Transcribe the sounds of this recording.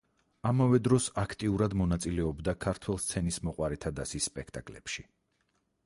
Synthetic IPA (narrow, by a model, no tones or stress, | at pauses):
amavɛd̪ɾɔsakʰt̪ʼiuɾad̪mɔnat̪sʼilɛɔbd̪akʰaɾt̪ʰwɛlˠst̪sʰɛnismɔqʼwaɾɛt̪ʰad̪asisːpʼɛkʰt̪ʼakʼlɛpʃi